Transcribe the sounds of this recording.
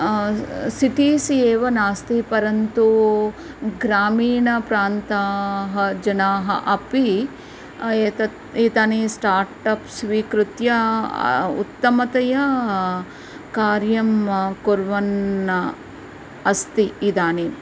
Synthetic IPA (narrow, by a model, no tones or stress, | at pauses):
siʈiːsieːʋɐnaːst̪ipɐɾɐnt̪u | ɡɾaːmiːɳɐpɾaːnt̪aːɦɐd͡ʒɐnaːɦɐ̰ʔɐpi | eːt̪ɐ | iːt̪aːnisʈaːɾʈɐpsʋiːkɾut̪jɐ | ṵt̪ːɐmɐt̪ɐjɐ | kaːɾjɐmkuɾʋɐnɐ | ɐst̪iːd̪aːni